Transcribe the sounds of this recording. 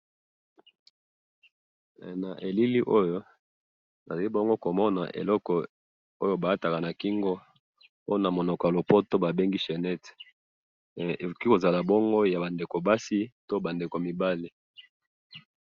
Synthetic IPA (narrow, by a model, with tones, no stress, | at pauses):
na˨ʔe˨li˦li˦ʔo˦jo˦ | na̰˨za˨li˦bo˦ŋɡo˦ko˨mɔ˦na̰˨ʔḛ˨lɔ˦kɔ˨ | o˦jo˦ba˨a˦ta˨ka˨na˨ki˦ŋɡo˦ | o˦o˦na˨mo˨nɔ˨kɔ˨ja˨lo˨po˦to˦ba˨be˦ŋɡi˦ʃe˨nɛ˦t | e˨ko˨ki˦ko˨za˨la˨bɔ˦ŋɡo˦ja˨ba˨nde˨ko˨ba˦si˦to˦ba˨nde˨ko˨mi˨ba˦li˨